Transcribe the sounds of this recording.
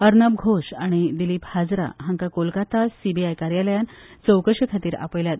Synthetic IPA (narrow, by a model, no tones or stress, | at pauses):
əɾnab̚ɡʱoɕaɽ̃id̪iliːphad͡zɾa̰ɦãŋkakolkat̪asibʱiajkaɾjaləjant͡səwkəɾʂɕəkʰat̪iːɾa̰pəjlja